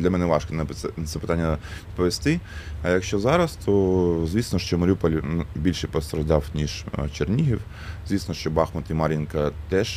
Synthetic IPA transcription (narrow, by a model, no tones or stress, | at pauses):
lʲɐmɛnɛʋɑʃkɔnp̪ɛt̪sɛpɪ̥t̪ɑnʲːɐpɔʋʲest̪ɪɐjɐkʃt͡ʃɔzɑɾɐst̪ʰɔzʲʋʲisnɔʃt͡ʃɔmɐɾʲupɔlʲbʲilʲʃɛjpɔst̪ɾɐʒd̪ɑwnʲiʒt͡ʃernʲiɦiw | zʲʋʲisnɔʃt͡ʃɔbɑxmɐt̪imɑɾʲinkɐt̪ɛʃ